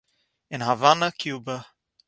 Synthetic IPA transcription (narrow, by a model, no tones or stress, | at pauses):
ɪ̃nɦavanəkʰjuːbə